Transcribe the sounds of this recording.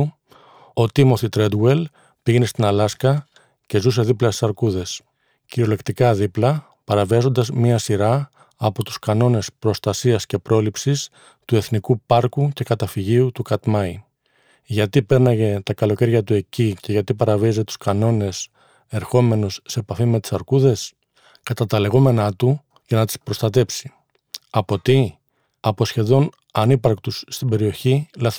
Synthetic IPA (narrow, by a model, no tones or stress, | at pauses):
o̞t̪imo̞θit̪ɾe̞d̪wel | piʝe̞ne̞st̪inɐlɐskɐ | ce̞zus̬e̞ðiplɐsi̥sɐɾkuðe̞s | ciɾo̞le̞kt̪ikɐðiplɐ | pɐɾɐviɐzo̞nd̪ɐzmɲiɐsiɾɐ | ɐpo̞t̪u̥skɐno̞ne̞spɾo̞st̪ɐsiɐsce̞pɾʔo̞lipsis | t̪ue̞θnikupɐɾkuce̞kɐt̪ɐfiʝiut̪ukɐt̪mɐi | ʝɐt̪ipe̞ɾnɐʝet̪ɐkɐlo̞ce̞ɾʝɐt̪ue̞cice̞ʝɐt̪ipɐɾɐviɐzet̪u̥skɐno̞ne̞s | e̞ɾxo̞me̞nusseepɐfime̞t̪i̥sɐɾkuðe̞s | kɐt̪ɐt̪ɐle̞ɣo̞me̞nɐt̪u | ʝɐnɐt̪i̥spɾo̞st̪ɐt̪e̞psi̥ | ɐpo̞t̪i | ɐpo̞sçe̞ðo̞n | ɐnipɐɾkt̪usːt̪ibe̞ɾio̞çilɐ